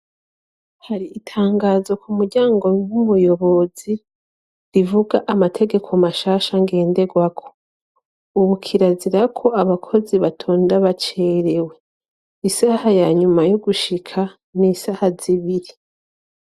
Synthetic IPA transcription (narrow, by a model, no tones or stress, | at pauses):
haɾiːtʰaːŋɡaːzo̞kumuɾɟaːŋɡo̞nwumujo̞βo̞zi | ɾivuɡaʔamatʰe̞ɡe̞kʰo̞maʃaːʃaŋɡe̞ːnde̞ɡwakʰo̞̥ | uβukʰiɾaziɾakʰo̞aβakʰo̞ziβatʰoːndaβat͡ʃeɾe̞we̞ | isahajaɲumajoɡuʃikʰa | niːsahaziβiɾi